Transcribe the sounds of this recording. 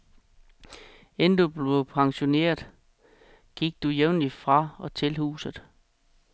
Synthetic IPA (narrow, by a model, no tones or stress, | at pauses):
end̥ub̥le̝pʰɑ̈ŋɕo̝ne̝̰ːɐðˠ | ɡ̥iɡ̥̚d̥ujeʊnlifʁɑ̈ɒ̽t͡sʰe̝lhṵːsð̩ˠ